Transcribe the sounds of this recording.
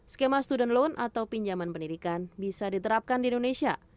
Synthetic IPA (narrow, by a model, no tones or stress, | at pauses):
sə̥kemast̪udɛnlonʔa̰t̪awpiɲd͡ʒamanpəndidikanbisadit̪əɾap̚kandiindonesia